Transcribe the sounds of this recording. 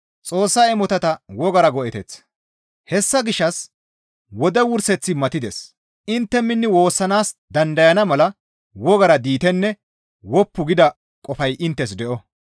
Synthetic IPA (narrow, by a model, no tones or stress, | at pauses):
t͡sʼo̞ːsːɐɛmɔt̪ɐt̪ɐwɔɡɐɾɐɡɔʔɛt̪ɛt͡sː | hɛsːɐɡɪʃːɐs | wɔd̪ɛwʊɾsɛt͡sːɪmɐt̪ɪd̪ɛs | ɪnt̪ːɛmːɪnːɪwo̞ːsːɐnaːsd̪ɐnd̪ɐjɐnɐmɐlɐ | wɔɡɐɾɐd̪iːt̪ɛnːɛ | wɔpːʊɡɪd̪ɐ | kʼɔfɐjʔɪnt̪ːɛs̬d̪ɛʔɔ